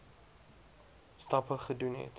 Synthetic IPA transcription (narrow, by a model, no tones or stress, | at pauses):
stɐpəχədunɦɛ̰t